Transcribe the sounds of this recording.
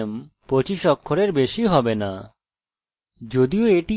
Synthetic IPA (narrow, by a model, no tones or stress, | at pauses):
mpɾot͡ɕiʃɔkʰːoɾeɾbeʃiɦɔbena | d͡ʑod̪ioeʈi